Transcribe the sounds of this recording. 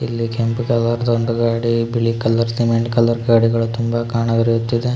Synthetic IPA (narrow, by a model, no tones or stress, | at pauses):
ilːikempkɐlɐɾd̪oɳɖɐɡaːɽibiɭikɐlːɐɾsimeɳʈkɐlɐɾɡaːɽiɡɐɭut̪umbɐkaːɳɐɡɐɾijut̪ːid̪e